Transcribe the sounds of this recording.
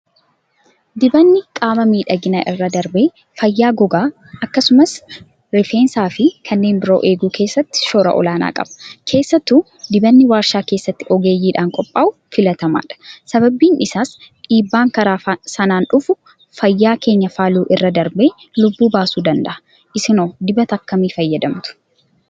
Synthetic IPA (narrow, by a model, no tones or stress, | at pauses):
d̪ɪbɐnːɪkʼaːmɐmiːᶑɐɡɪnaʔɪrːɐd̪ɐɾbeː | fɐjːaːɡɔɡaː | ɐkːɐsʊmɐs | ɾɪfeːnsaːfɪkʰɐnːe̞ːmbɪɾo̞ːʔe̞ːɡuːkʰe̞ːsːɐt̪ːɪ̥ʃoːɾɐ̰ʔɔ̰laːna̰ːkʼɐ̰bɐ̥kʰe̞ːsːɐt̪ːʊ | d̪ɪbɐnːɪwaːɾʃaːke̞ːsːɐt̪ːɪɔɡe̞ːjːiːᶑaːŋkʼɔpʼːaːʔʊfɪlɐt̪ɐma̰ːᶑɐ̥sɐbɐbːiːnɪsaːsᶑiːbːaːŋkɐɾaːsɐnaːnᶑʊfʊ | fɐjːaːke̞ːɲːɐfaːluːʔɪrːɐd̪ɐɾbe̞ː | lʊbːuːbaːsuːd̪ɐnd̪ɐ̰ʔɐ | ʔɪsɪnoːd̪ɪbɐt̪ɐkːɐmiːfɐjːɐd̪ɐmt̪ʊ̥